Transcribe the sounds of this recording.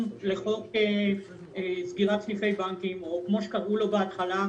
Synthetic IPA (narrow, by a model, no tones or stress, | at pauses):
mleχo̞ke | esɡiʁat̪ʃnife̞jbaŋkimo̞kmo̞ʃekaʁʔulo̞beat̪χala